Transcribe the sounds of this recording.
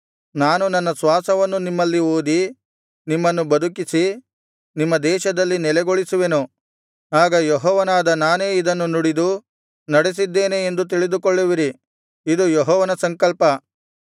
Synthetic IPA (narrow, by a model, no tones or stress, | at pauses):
naːnunɐnːɐsʋaːsɐʋɐnːunimːɐlːioːd̪i | nimːɐnːubɐd̪ukisi | nimːɐd̪ɛːʃɐd̪ɐlːinɛlɛɡoɭisuʋe̞nu | aːɡɐjɔɦɔːʋɐnaːd̪ɐnaːne̞ːid̪ɐnːunuɽid̪u | nɐɽes̬id̪ːe̞ːneːnd̪ut̪̬iɭid̪ukoɭːiʋiɾi | id̪ujɔɦɔːʋɐnɐsɐŋkɐlpɐ